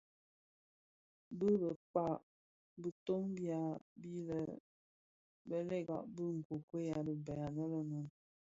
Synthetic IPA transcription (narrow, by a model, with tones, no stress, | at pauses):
bə˦bə˨k͡pa˦˨ʔ | bə˨to˦ŋbja˨˦bi˦lə˨ | bə˦lɛ˦˨ɡa̰˨ʔbə˦ŋ̩˨ko˨kwe˦ja˨bə˨bɛ˨a˨nə˦lə˦nu˨n